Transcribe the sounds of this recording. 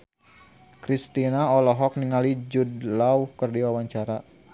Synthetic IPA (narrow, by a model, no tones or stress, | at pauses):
kɾist̪inaɔlɔɦɔk̚niŋalid͡ʒudlauhkərdiwawaɲt͡ʃaɾa